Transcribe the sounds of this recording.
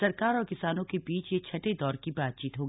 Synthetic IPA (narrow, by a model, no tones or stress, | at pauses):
sɐɾkaːɾɔːɾkɪsaːnõkebiːt͡ʃjet͡ʃʰɐʈed̪ɔːɾkibaːt̪̚t͡ʃiːt̪ɦoːɡ